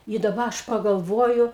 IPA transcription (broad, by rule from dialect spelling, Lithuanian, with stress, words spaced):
ɪ dɐˈbɐ ˈɐʃ pɐɡɐlˠˈʋoːjʊ